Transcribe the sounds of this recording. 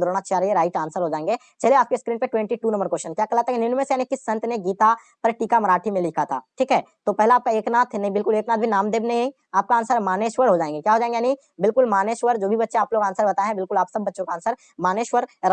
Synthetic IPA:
d̪ɾoːɽ̃at͡ʃʰaɾieɾaːɪʈaːnsəɾɦoːd͡ʒaːẽːŋɡeː | t͡ʃɐlieaːp̚keskɾĩːɳʈpeʈwɛ̃ɳʈiʈuːnɐ̃mbəɾkoːʃənkjaːkɐlat̪akenɪnmẽsjaːnẽkɪsːɐ̃nt̪neɡiːt̪a | pɐɾʈiːkamɐɾaːʈʰimẽlɪkʰat̪ʰa̰ːʈʰiːkɦɛːt̪opɛɦlaːp̚kaeːknaːt̪ʰnɐɦĩbɪlkʊleːknaːt̪̚bʱinaːmd̪eːbnɐɦĩ | aːp̚kaaːnsəɾmaːneːʃʋəɾɦoːd͡ʒaːẽːŋɡekjaːɦoːd͡ʒaːẽːŋɡejnɦĩ | bɪlkʊlmaːneːʃʋəɾd͡ʒoːbʱibɐtːʃẽaːploːɡaːnsəɾbɐt̪aeɦɛ̃bɪlkʊlaːpsɐbːɐtːʃõkaːnsəɾ | maːneːʃʋəɾ

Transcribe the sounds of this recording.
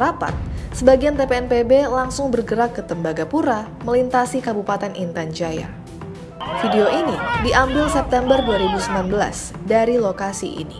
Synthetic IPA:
ɾapa̰t̪̚səbaɡiant̪epeɛnpebelaŋsʊŋbərɡəɾakːət̪əmbaɡapuɾa | məlint̪asikabupat̪ɛnʔint̪and͡ʒaja̰ | fideoʔinidiʔambɪlsɛp̚t̪ɛmbərduaɾibusəmilanbəla̰s | daɾilokasḭʔḭni

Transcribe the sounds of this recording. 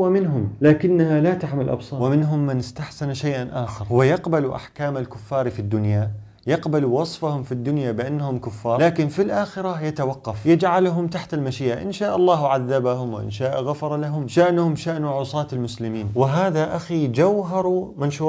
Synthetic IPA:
wɪmɪnɦʊmlaːkɪnːahalat̪aħmɪlʔɑ̰bsˤɑːɾwɪmɪnɦʊmːɪnɪst̪aħsɪnʃajʔanʔaːxɪɾˤwɪjɑqbaluʔa̰ħkaːmalkʊfːɑːɾifid̪ːʊnja | jɑqbaluwɑsˤfahʊmfid̪ːʊnjabɪʔanːahʊmkʊfːɑːɾlaːkɪnfilʔaːxɪɾajat̪awɑqːɑfjɪd͡ʒʕalɦʊmt̪aħt̪almaʃiːʔaʔɪ̰nʃaːʔɑlˤːɑːhʕaðːabahʊmwɪ̰ʔɪ̰nʃaːʔɣafɑɾˤɑlaɦʊmʃaʔnʊhʊmʃaʔnuʕʊsˤɑːt̪ɪlmʊslɪmiːnwɪɦaːðaʔaxid͡ʒawɦɑɾˤumanʃuː

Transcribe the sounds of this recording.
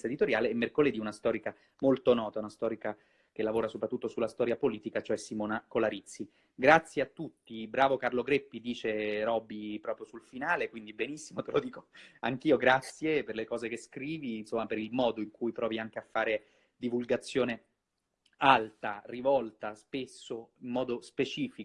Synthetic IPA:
sed̪it̪oɾjaːleːmːerkoled̪iunast̪ɔːɾika | molt̪onɔːt̪aunast̪ɔːɾika | k̟elːavoːɾasopɾat̪ːut̪ːosulast̪ɔːɾjapoliːt̪ikat͡ʃoɛsimɔːnakolaɾit̪sːi | ɡɾat̪sːjeat̪ːut̪ːibɾaːvokarloɡɾepːid̪iːt͡ʃeɾɔːbipɾɔːpɾjosulfinaːlekwind̪ibenisːimot̪elod̪iːkoaŋkiːoɡɾat̪sːjeperlekɔːzekeskɾiːvinsomːapeɾilmɔːd̪oiŋkujpɾɔːviaŋk̟eafːaːɾe | d̪ivulɡat̪sːjoːne | alt̪arivɔlt̪aspesːoimːɔːd̪ospet͡ʃiːfi

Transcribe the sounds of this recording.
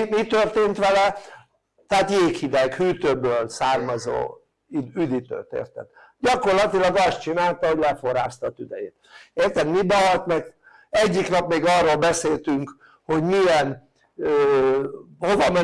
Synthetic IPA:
mit̪ørt̪eːnt̪ʋɛlɛ | t̪ɛaːt̪jeːkhid̪ɛkhyːt̪øːbøːlsaːrmɒzo̰ː | iyd̪it̪ø̰ːt̪ḛːrt̪ɛ̰d̪ | ɟɒko̞rlɒt̪ilɒɡɒst̪t͡ʃinaːlt̪ɒho̞ɟlɛfo̞rɾaːst̪ɒːt̪yd̪ɛ̰jḛːt̪eːrt̪ɛd̪mibɒɦɒt̪mɛk | ɛɟːiknɒpmeːɡɒːrːoːlbɛseːlt̪yŋk | ho̞ɟmiɛn | øː | ho̞vɒmɛ

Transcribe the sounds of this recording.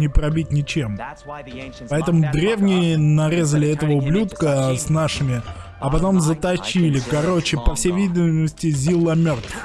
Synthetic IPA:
nʲɪpɾɐbʲitʲnʲɪt͡ɕe̞m | pɐɛt̪əmʊd̪ɾʲe̞vnʲɪjənɐɾʲe̞zəlʲɪɛt̪əvəʊblʲut̪kəsʲnaʂɨmʲɪ | ɐpɐt̪o̞mzət̪ɐt͡ɕilʲɪkɐɾo̞t͡ɕɪpəfsʲejvʲidʲɪməsʲtʲɪzʲilˠəmʲo̞rt̪

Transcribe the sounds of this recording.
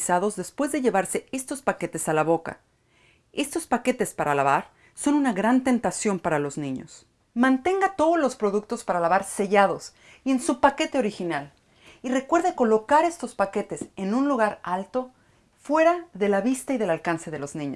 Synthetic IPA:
sað̞o̞zðe̞spwe̞zðe̞ʝe̞βaɾse̞e̞st̪o̞spake̞t̪e̞salaβo̞ka̰ | e̞st̪o̞spake̞t̪e̞spaɾalaβaɾ | so̞nunaɣɾant̪e̞nt̪asjo̞mpaɾalo̞znĩɲo̞̰s | mãnt̪e̞ŋɡat̪o̞ðozlo̞spɾo̞ðuk̚t̪o̞spaɾalaβaɾse̞ʝað̞o̞s | ie̞nsupake̞t̪eo̞ɾixinal | ire̞kwe̞ɾðeko̞lo̞kaɾe̞st̪o̞spake̞t̪e̞se̞nũnluɣaɾalt̪o̞ | fwe̞ɾaðe̞laβist̪aiðe̞lalkanse̞ð̞e̞lo̞znĩɲo

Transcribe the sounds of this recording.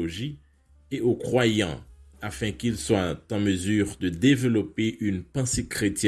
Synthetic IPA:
oʒi | eokχwajɑ̰̃afɛ̃kilswat̪ɑ̃məzyʁd̪əd̪evəlɔpeʔynpɑ̃sekχet̪jɛ

